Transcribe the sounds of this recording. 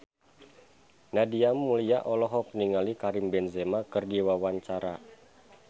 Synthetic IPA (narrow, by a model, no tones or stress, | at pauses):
nadiamːuliaʔɔlɔɦɔk̚niŋalikaɾimbɛnzemakərdiwawaɲt͡ʃaɾa